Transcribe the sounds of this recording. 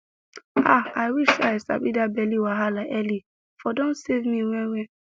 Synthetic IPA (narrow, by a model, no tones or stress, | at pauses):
aaɪwiʃsasa̰bidabɛliwaɦalaʔɛli | fɔdɔ̃nsevmĩwɛ̃wɛ̃